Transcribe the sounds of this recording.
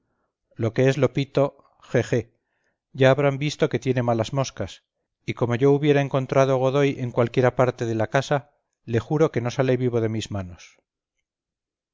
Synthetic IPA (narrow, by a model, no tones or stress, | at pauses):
lo̞ke̞e̞zlo̞pit̪o̞ | xexe̞ | ʝaːβ̞ɾambist̪o̞ke̞t̪je̞ne̞malazmo̞skas | iko̞mo̞ʝo̞uβje̞ɾaeŋko̞nt̪ɾað̞oɣ̞o̞ð̞o̞je̞ŋkwalkje̞ɾapaɾt̪eð̞e̞lakasa | lexuɾo̞ke̞no̞salejβiβ̞o̞ð̞e̞mizmano̞s